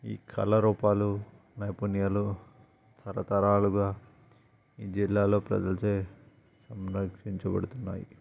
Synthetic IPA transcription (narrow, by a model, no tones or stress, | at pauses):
ḭːkʰɐ̰lɐɾuːpaːlu | nɐjpunijalu | t̪ʰɐɾɐt̪ɐɾaːluɡaː | iːd͡ʒilːaːlo̞ːpɾɐ̰d͡ʒɐlt͡ʃeː | sɐmɾɐkʂiɲt͡ʃɐbɐ̰ɽut̪unːa̰ːji